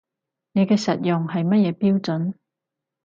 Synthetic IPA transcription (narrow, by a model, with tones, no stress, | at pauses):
ne˨˧jkɛː˧sɐ˨t̚jʊ˨ŋɦɐ˨jmɐ˥t̚jɛː˨˧piː˥wt͡sɵ˨˥n